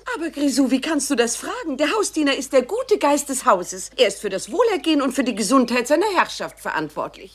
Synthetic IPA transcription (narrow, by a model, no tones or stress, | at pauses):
ʔaːbɐɡʁizuːviːkʰanstd̥uːdasfʁ̥aːɡŋ̩deːɐɦaʊsd̥iːnɐɪst̚d̥eːɐɡuːtəɡaɪst̚d̥ɛshaʊzəsʔeːɐɪstfyːɐɾasv̥oːlɛɐɡeːənʊntfyːɐdiːɡəzʊnthaɪtz̥aɪnɐhɛɐʃaftfɛɐʔa̰ntv̥ɔ̰ɐtʰlɪ̰ç